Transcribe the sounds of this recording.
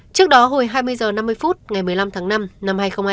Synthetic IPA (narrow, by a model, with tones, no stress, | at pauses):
t͡ɕɨ˦˥ək̚ɗɔ˨˦ɦo˧˩jɦaː˧jmɨ˧əjzəː˨˩na˧mːɨ˧əjfu˦˥t̚ŋa˨˩jmɨ˨˩əjla˧mt̪ʰaː˨˦ŋna˧mna˧mhaː˧jxə˧wŋ͡mhaː˧